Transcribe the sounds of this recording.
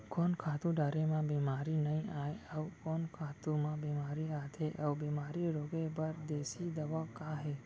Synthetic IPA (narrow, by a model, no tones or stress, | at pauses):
koːnkʰaːt̪ũɖaːɾemãbeːmaːɾinəĩaːeəwkoːnkʰaːt̪ũmãbeːmaːɾiaːt̪ʰeʔɐwbeːmaːɾiɾoːɡebɐɾd̪eːsid̪ɐʋaːkaːɦɛː